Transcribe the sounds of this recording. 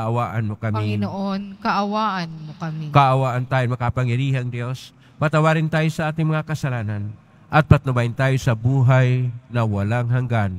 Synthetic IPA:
ʔawaːʔɐnmokɐmɐiŋɪnoʔonkɐʔɐwaːʔɐnmokɐmikɐʔɐwaːʔɐnt̪aːjomɐkaɐpaŋjɐɾiːɦɐŋd̪jo̞s | pɐt̪ɐwaɾɪnt̪aːjosɐʔaːt̪ɪŋmɐŋakɐsɐlaːnɐn | ʔɐt̪̚pɐt̪nɐbaːjɪnt̪aːjosɐbuːɦajnɐwɐlaŋɦaŋɡan

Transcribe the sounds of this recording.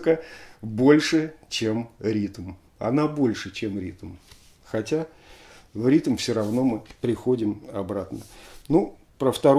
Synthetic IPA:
kəbo̞lʲʂɨt͡ɕemɾʲit̪m | ɐ̰nabo̞lʲʂɨt͡ɕemɾʲḭt̪m̩ | xɐtʲa | vɾʲit̪mfsʲoɾɐvno̞mɨpɾʲɪxo̞dʲɪmɐbɾat̪nənu | pɾəft̪ɐɾ

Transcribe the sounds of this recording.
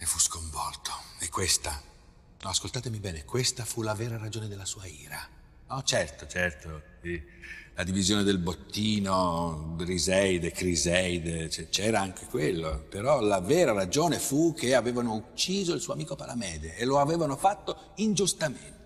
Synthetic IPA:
efuskoɱvɔlt̪ʰo̥ekːwest̪a | nɔaskolt̪aːt̪emibɛːnekwest̪afulavɛːɾaɾad͡ʒoːned̪elːasuːaiːɾa | nɔt͡ʃɛrt̪ot͡ʃɛrt̪osilad̪ivizjoːned̪elbot̪ːiːnorizɛjd̪ekɾizɛjd̪et͡ʃɛt͡ʃɛːɾaaŋkʰekwelːopeɾɔlavɛːɾaɾad͡ʒoːnefukʰːeavɛːvanout͡ʃːiːzoilsuoamiːkopalamɛːd̪eːloavɛːvanofat̪ːo | ind͡ʒust̪ament̪e

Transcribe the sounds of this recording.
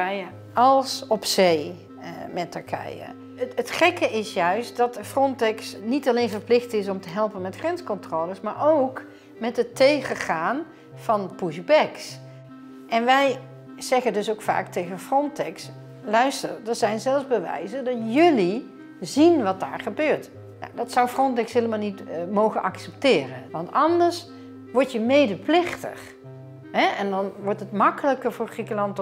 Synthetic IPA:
ɛjə | ɑlˠsɔpsej | mɛtəɹkʰɛ̰jə̰ | ətχɛkəɪsjœɥst̚dɑtfrɔntɛksnitɑlejnvəɹplɪχtɪs̬ɔmtəɦɛlˠpənmɛtχrɛnskɔntroːləsmaːɹowk | mɛtɦətejχəχaːn | v̥ɑnpuʒbɛks | ʔɛnʋɛj | z̥ɛχəndɵsowkfa̰ːktejɣənfrɔntɛks | lœɥstərdəzɛjnzɛlˠzbəʋɛ̰jzəndɑtjɵli | zinʋɑt̚da̰ːɹχəbøːɹt | na̰dɑtsʌwfrɔntɛksɦeːləmalˠnitmowχənʔɑksɛptɪːrənʋɑntɑndəɹs | ʋɔɹtjəmejdəplɪχtə̰χ | ɦɛʔɛndɑnʋɔɹtətmɑkələkəɹvʊːɹχrikəlɑnt

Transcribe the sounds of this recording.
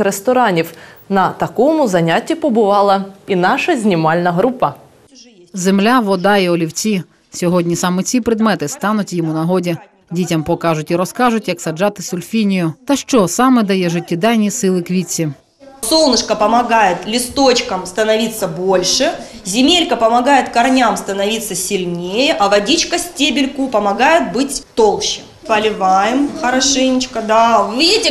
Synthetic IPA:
ɾest̪ɔɾɑnʲiwnɐt̪ɐkɔmʊzɐnʲatʲːipɔbʊʋɑlˠɐinɑʃɐzʲnʲimɑlʲnɐɦɾupɐ | zemlʲaʋɔd̪ɑiɔlʲiwt͡sʲi | sʲɔɦɔdʲnʲisɑmɛt͡sʲipɾɪd̪mɛt̪ɪst̪ɑnʊtʲjɔmunɐɦɔdʲi | dʲitʲɐmpɔkɑʒʊtʲiɾɔskɑʒʊtʲjɐksɐd͡ʒɑt̪ɪsʊlʲfʲinʲijʊt̪ɐʃt͡ʃɔsɑmɛd̪ɐjɛʒʊtʲːid̪ɑjnʲisɪlˠɪkʋʲit͡sʲːi | solˠnɨʂkɐpɐmɐɡajɪt̪lʲɪst̪ot͡ɕkɐmst̪ɐnɐʋʲit̪sːɐbolʲʂɨzʲɪmʲelʲkɐpɐmɐɡajɪt̪kɐrnʲamst̪ɐnɐʋʲit̪sːɐsʲɪlʲnʲejɛʔɐʋɐdʲit͡ɕkɐsʲtʲebʲɪlʲkʊpɐmɐɡajɪt̪̚bɨtʲt̪olˠɕɪ | pɐlʲɪvajɪmxɐɾɐʂɪnʲɪt͡ɕkɐd̪aʊʋʲidʲɪtʲɪ

